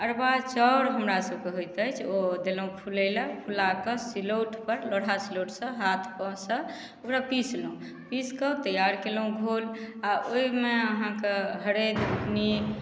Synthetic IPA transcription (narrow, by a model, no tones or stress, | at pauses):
əɾbat͡ʃɔwɾɦəmɾasəb̚keɦojt̪ət͡ʃʰod̪elɦũpʰuləɪləpʰulakəsiloʈpəɾloɽ̤ʱasiloʈsə̃ɦat̪ʰpɔ̃sə̃ | okɾapislũ | piskət̪əjaɾkelũɡʱolaoimeəɦãkeɦəɾed̪bukni